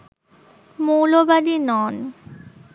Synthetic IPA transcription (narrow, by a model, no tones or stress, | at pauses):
molobadinɔn